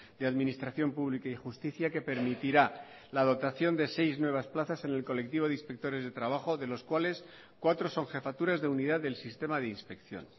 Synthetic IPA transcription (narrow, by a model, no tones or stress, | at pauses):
d̪̥eaðminist̪ɾaθjo̞mpuβlikaixust̪iθjake̞pe̞ɾmit̪iɾa | laðo̞t̪aθjo̞nd̪e̞se̞jznwe̞β̞asplaθase̞ne̞lko̞le̞k̚t̪iβo̞ðinspe̞k̚t̪o̞ɾe̞zðe̞t̪ɾaβ̞aχo̞ðe̞lo̞skwale̞s | kwat̪ɾo̞so̞ŋxe̞fat̪uɾazðeuniðaððe̞lsist̪e̞maðe̞inspe̞kθjo̞̰n